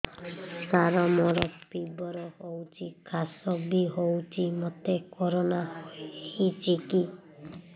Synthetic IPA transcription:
saɾɔmɔɾɔpibɔɾɔhowt͡ʃʰikʰasɔbiɦowt͡ʃʰimɔt̪ekɔɾonahit͡ʃʰiki

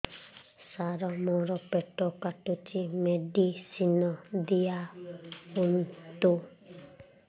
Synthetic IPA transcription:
saɾɔmɔɾɔpeʈɔkaʈut͡ʃimeɖisinɔd̪ija | unt̪u

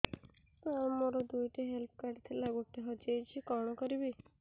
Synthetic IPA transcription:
amːoɾɔd̪ujʈiɦelp̚ʰkaɾɖt̪ʰilaɡuʈːiɦɔd͡ʒejt͡ʃʰikɔɽ̃ɔkɔɾibi

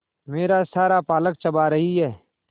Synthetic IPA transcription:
meːɾasaːɾapaːlək̚t͡ʃəbaɾɐɦiɦɛː

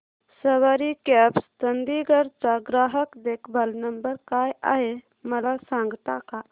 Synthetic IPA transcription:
səʋaɾikɛːpst̪ənd̪iɡəɾt͡ʃaɡɾaːɦəkd̪eːkʰbəlnəmbəɾkaːja̰ɦe | mɐlasãːŋɡt̪aka

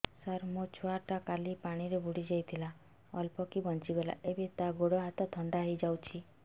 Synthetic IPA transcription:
saɾmot͡ʃʰoaʈakalipaɽ̃iɾebuɽid͡ʒajt̪ʰila | ɔlpɔkibɔnt͡ʃibela̰ʔebet̪aɡoɽɔɦat̪ɔt̪ʰɔɳɖaɦid͡ʒawt͡ʃʰi

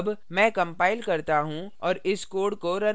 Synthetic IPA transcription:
bmɛ̃ːkɐ̃mpaːɪlkɐɾt̪aɦũɔːɾɪskoːɾɽkoɾɐ

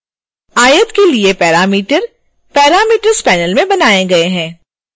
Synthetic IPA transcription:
aːjət̪keliepɛːɾaːmiːʈəɾ | pɛːɾaːmiːʈəɾspɛːnəlmẽbɐnaːeɡɐeɦɛ̃ː

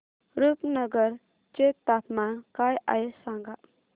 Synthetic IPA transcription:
ɾupnəɡəɾ | t͡ʃet̪ːat̪mankaja̰jesãŋɡaʔ

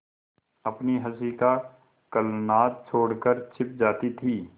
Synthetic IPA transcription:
ɐpniɦɐsiːka | kɐlnaːt̪̚t͡ʃʰoːɽkəɾt͡ʃʰɪp̚d͡ʒaːt̪it̪ʰiː

